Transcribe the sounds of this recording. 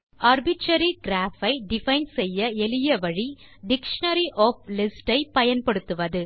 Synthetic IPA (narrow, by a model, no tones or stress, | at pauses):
aɾbɪʈɾɐɾiɡɾaːfɐɪɖɪfɐɪnsɛjːɐɛlɪjɐʋɐɻiɖɪkʂɐnɐɾiʔoːf̚lɪsʈɐɪpɐjɐnpɐɽɯt̪ːɯʋɐðɯ